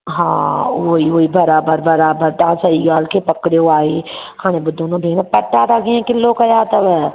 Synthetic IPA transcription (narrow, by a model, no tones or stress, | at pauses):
ɦãːoːioːibɐɾaːbəɾbɐɾaːbəɾt̪aãsɐiɡaːlkepɐkɽeoaːiːkʰaːñẽbʊd̪ʱoːnõbʱeːnpɐʈːaːt̪aɡeẽkɪlːokɐjaːt̪ɐb